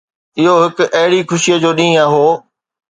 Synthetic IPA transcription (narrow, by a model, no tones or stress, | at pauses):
ɪɦoɦɪkʔɐɦɪɽixʊʃijəd͡ʑoːɗĩːaːɦoː